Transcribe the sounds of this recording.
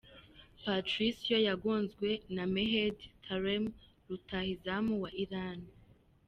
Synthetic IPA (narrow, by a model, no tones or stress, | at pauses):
patɾisjojaɡoːnzɡwe̞nameɦedtʰaɾem | ɾutahizamuwaʔiɾani